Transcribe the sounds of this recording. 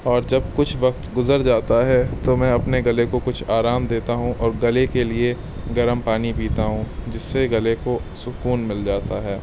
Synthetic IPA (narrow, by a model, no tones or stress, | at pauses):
ɔːɾd͡ʒɐb̚kʊt͡ʃʰʋɐkt̪ɡʊzəɾd͡ʒaːt̪aɦɛt̪omɛ̃ɐpneɡɐlekokʊt͡ʃʰaːɾaːmd̪eːt̪aɦũʔɔːɾɡɐlekelie | ɡɐɾəmpaːnipiːt̪aɦũd͡ʒɪsːeɡɐlekosʊkuːnmɪld͡ʒaːt̪aɦɛː